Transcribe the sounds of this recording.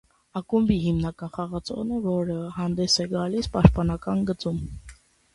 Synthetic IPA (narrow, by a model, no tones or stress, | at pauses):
ɑkumbiɦimnɑkɑnχɑʁɑt͡sʰɔ̰ʁnəvɔɾəhɑnd̪ɛsɛɡɑlispɑʃt̪̚pɑnɑkɑnɡət͡sum